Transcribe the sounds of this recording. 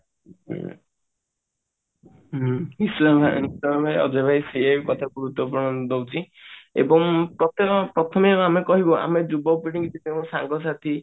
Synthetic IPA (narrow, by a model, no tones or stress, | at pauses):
isama̰nisammʱaɔ̰d͡ʒɔbʱajseakɔt̪ʰabuɾut̪wɔp̬uɾɳɔd̪owt͡ʃʰi | ḛbɔŋpɾɔt̪ɔpɾɔt̪ʰɔmebɔamekɔɦibɔʔa̰med͡ʒubɔpɾiʈiŋɡit̪ʰit̪ew̃saŋɡɔs̬at̪ʰi